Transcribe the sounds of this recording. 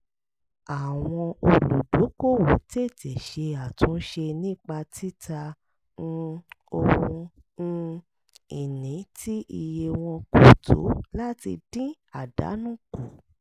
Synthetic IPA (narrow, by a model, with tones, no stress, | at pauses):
a˨w̃ɔ̃˧o˧lu˨do˨˦ko˦˨wo˨te˦˨te˨ʃe˧a˨tũ˨˦ʃe˧nĩ˦˨k͡pa˧tʰi˦tã˧ | o˧wũ˧ | n̩˧ | i˨nĩ˨˦tʰi˦i˧je˧w̃ɔ̃˧ku˨tʰṵ˨˦la˦ti˧dĩ˦ | a˨da̰˨˦nũ˦ku˨